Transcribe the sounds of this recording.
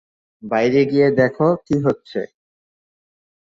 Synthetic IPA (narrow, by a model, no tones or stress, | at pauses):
bajɾeɡijed̪ɛkʰokiɦotːɕʰḛ